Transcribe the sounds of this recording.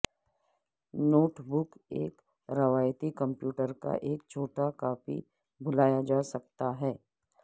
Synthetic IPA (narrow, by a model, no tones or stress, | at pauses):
noːʈbʊkḛːk | ɾɐʋaːjt̪ikə̃mpjuːʈəɾka̰ʔeːkt͡ʃʰoːʈakaːfḭ | bʊlaːjad͡ʒaːsɐkt̪aɦɛː